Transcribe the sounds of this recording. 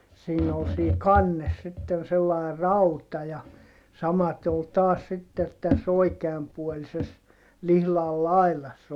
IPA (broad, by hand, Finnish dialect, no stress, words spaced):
siːn ol siː kɑnːes sitːen selːɑˑi̯ rɑutɑ jɑ sɑmɑte ol tɑːs sitːet tæs oikeɑmpuolises lihlɑl lɑilɑsː